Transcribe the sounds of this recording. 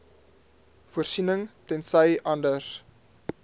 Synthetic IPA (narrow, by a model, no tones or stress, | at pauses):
fuərsinəŋtɛnsəjʔɐndəs